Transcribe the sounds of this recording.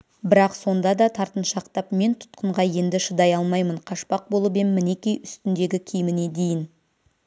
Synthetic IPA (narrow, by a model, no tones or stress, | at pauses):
bɪɾɑqso̞nd̪ɑd̪ɑt̪ʰɑɾt̪ənʃɑqt̪ɑpme̞nt̪ʰʊ̥t̪qʰəɴʁɑje̞nd̪ɪʃəd̪ɑjɑlˠmɑjməɴqʰɑʃpɑq̚bo̞lˠəbenmɪne̞kʲijʏst̪ɪnd̪e̞ɡʲɪkʲʰijɪmɪne̞d̪e̞jɪn